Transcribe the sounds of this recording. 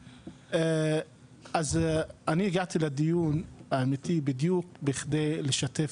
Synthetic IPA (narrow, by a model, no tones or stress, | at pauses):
ʔe | ʔazaniiɡaʕt̪iled̪ijunaːmit̪ibid̪juk̚biχd̪ejleʃat̪ef